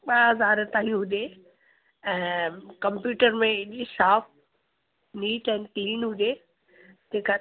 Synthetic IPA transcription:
ɓaɦɐzaːɾt̪aːɦijũɦʊdeː | ɛ̃ːkɐ̃mpjuːʈəɾmẽɪʄsaːf | niːʈɛ̃ːnɪt̪iːnɦʊdeː | d͡ʑeːka

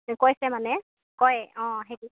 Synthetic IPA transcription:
kojsɛmanɛ | kɔjɔ̃ɦeki

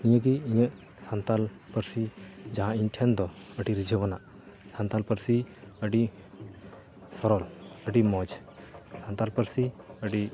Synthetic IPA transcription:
iɲəɡiiɲəʔ | sant̪al | pəɾsid͡ʒaɦãinʈʰɛnd̪ɔəɖiɾid͡ʒʱəwənaʔ | sant̪alpəɾsiəɖi | sɔɾɔləɖimɔd͡ʒ | sant̪alpəɾsiəɖi

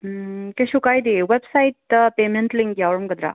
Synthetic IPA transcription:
keɕukajd̪eʋebsait̪pemeɳʈliŋkjaʋɾumkəd̪ɾa̰

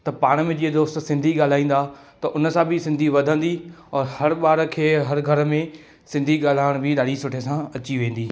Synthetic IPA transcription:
t̪ɐpaːɽ̃̆mẽd͡ʑiːəd̪oːst̪sɪ̃nd̪ʱiɠaːl̤aːĩːn̆d̪aː | t̪ɐʔʊnə̆sãbʱɪsɪ̃nd̪ʱiʋɐd̪ʱə̃nd̪iɔːɾhɐɾɓaːɾəkʰeːɦɐɾɡʱɐɾəmẽ | sɪ̃nd̪ʱiɠaːl̤aːɪɽ̃bʱɪɗaːɽisʊʈʰesãɐt͡ɕiʋẽːn̆d̪iː

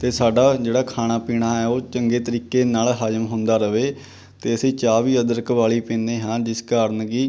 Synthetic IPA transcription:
t̪eːsaːɖaːd͡ʒeːɽaːkʰaːɽ̃aːpiːɳ̃aːɛːoːt͡ʃəŋɡeːt̪əɾiːkeːnaːlɦaːd͡ʒəmɦʊ̃nd̪aːɾəʋeː | t̪eːəsĩːt͡ʃaːʋiːəd̪əɾkʋaːɭiːpẽːnd̪eːɦãːd͡ʒɪskaːɾənɡiː

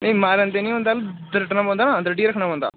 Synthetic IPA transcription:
nɐ̃ĩmaːɾə̃nd̪eːnĩːɦõnd̪aːld̪əɾəʈnãːbõːnd̪aːnaːd̪ɾəɖiːɾəkʰnaːbɔ̃ːnd̪a̰ː

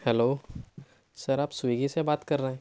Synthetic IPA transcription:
hɛloː | sɐɾaːpsʊiɡisebaːt̪kɐɾːɐɦɛ̃ː

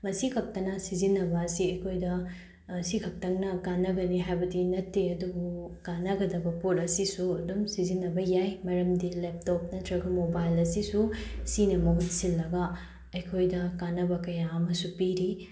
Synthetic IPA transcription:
mɐsikʰɐk̚tɐnɐsizinɐbɐːsiɐjkʰojdɐ | sikʰɐk̚tɐŋnɐkanɐɡɐniɦajbɐdinɐtːeɐdubukanɐɡɐdɐbɐpuɾɐsisuɐdumsizinːɐbɐjajmɐɾɐmdilep̚top̚nɐtʰɾɐɡɐmobajlɐsisusinɐmɐɦut̚silːɐɡɐ | ɐjkʰojdɐkanɐbɐkɐjaɐmɐsupiɾi

